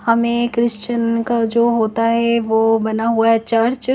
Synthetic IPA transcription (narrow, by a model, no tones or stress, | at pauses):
hɐmẽkɾɪʃt͡ʃənkad͡ʒoːɦoːt̪aɦɛʋoːbɐnaɦuaɦɛt͡ʃaɾt͡ʃ